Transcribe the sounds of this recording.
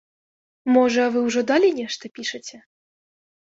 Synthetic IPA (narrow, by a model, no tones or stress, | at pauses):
mɔʐɐːvɨwʐɔd̪alʲinʲɛʂt̪ɐpʲiʂɐt͡sʲɛ